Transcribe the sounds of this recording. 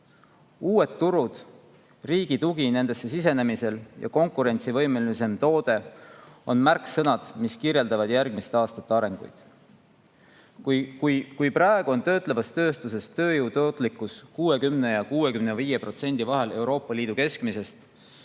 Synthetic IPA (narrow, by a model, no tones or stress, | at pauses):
uːe̞t̪ːuɾud̪̥ | riːɡ̥it̪uɡ̥ine̞nd̪̥e̞sːe̞sis̬e̞ne̞mise̞ljʔɑ̰ko̞ŋkuɾe̞nʲt̪sivɤ̞jmelise̞mt̪o̞ːd̪̥e̞o̞̰nmærksɤnɑd̪̥miskirje̞ld̪ɑvɑd̪̥jærɡ̥mist̪eɑːst̪ɑt̪ːeɑɾe̞ŋɡ̥ṵjd̪̥ | kkujkujprɑeɡ̥uo̞nt̪ø̞ːt̪ˑlevɑst̪ø̞ːst̪us̬e̞st̪ːø̞ːjuːt̪o̞ːt̪ˑlikːˑuskuːe̞kymne̞jɑkuːwe̞kymne̞viːje̞pro̞t̪se̞nʲd̪̥ivɑɦe̞le̞wɾo̞ːpˑːɑliːd̪̥uke̞skmise̞st̪